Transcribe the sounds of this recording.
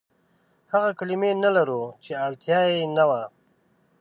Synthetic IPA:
haɣakalimenalaɾut͡ʃeaɽt̪jaːenawaː

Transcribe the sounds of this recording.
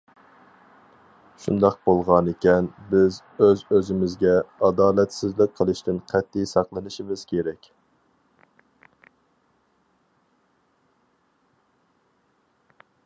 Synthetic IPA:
ʃṵnd̪ɑq̚bolˠʁɑnɪkʲɛnbɪz | øzøzɪmɪzɡʲɛɑd̪ɑːlɛt̪sɪzlɪk̚ʲqʰːəlˠɨʃt̪ɪnqʰæt̪ʰːijsɑqlˠɨnɨʃimɪz̥kʲʰeɾɛkʲ

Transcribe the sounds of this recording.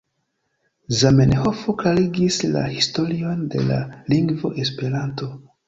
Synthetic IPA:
zamenho̞foklaɾiɡisla̰histo̞ɾio̞nde̞̰la̰liŋɡvo̞̰ʔe̞spe̞ɾanto̞

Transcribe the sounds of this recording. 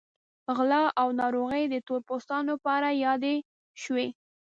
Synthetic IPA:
ɣlɑʔawnɑɾoɣəjd̪ət̪oɾpost̪ɑnopɑɾajɑd̪e | ʃwe

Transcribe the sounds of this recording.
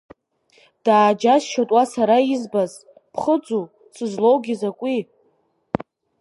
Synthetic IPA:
d̥aːd͡ʒazʃatʼwasaɾaizbaz | pʰχəd͡zʼu | t͡sʰʼɨzlo̞wɡʲizakʷʼi

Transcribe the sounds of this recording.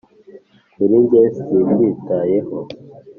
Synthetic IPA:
uɾiɲɟesibjiːtajeho

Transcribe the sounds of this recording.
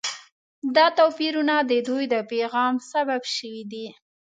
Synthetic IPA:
d̪ɑt̪opiɾunad̪əd̪ujd̪əpeɣɑmsababʃəwid̪i

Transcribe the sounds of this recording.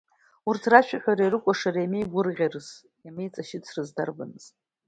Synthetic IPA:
urtʰraʃᶣaχʲᶣaɾejrɨkʷʼaʂarajmejɡʷʊrʁʲarɨz | jamejt͡sʼaʃɪt͡sʰrɨzdarba̰nɨz

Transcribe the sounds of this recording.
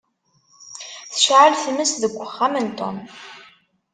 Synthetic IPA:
θə̥ʃʕəlθəməsðəɡʷːəχːamənt̪o̰m

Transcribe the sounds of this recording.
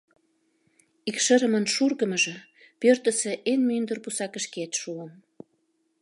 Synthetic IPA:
ikʃə̆ɾə̆mənʃurɣə̆mə̆ʒĕ | pørt̪ə̆sĕʔenmynd̪ərpusɑkə̆ʃket̪ʃuəm

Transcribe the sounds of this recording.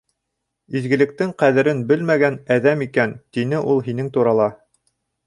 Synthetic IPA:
izɡɘ̆lɘ̆k̚t̪ɘŋqæðɘ̆ɾɘnbɘlmæɡænæðæmikænt̪inɘʔulˠɦinɘŋt̪uɾɑlˠɑ

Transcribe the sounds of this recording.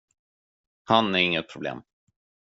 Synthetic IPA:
hanæɾɪŋːət̪̚pʰɾʊblḛːm

